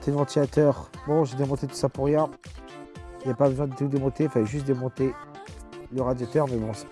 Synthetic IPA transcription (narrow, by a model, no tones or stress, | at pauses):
t̪elvɑ̃t̪ilat̪œʁbɔ̃ʒed̪emɔ̃t̪et̪u̥sapuʁjɛ̃ | ilɛpabəzwɛ̃d̪ət̪ud̪emɔ̃t̪efalɛʒyst̪̚d̪emɔ̃t̪e | ləʁad̪jat̪œʁmɛbɔ̃s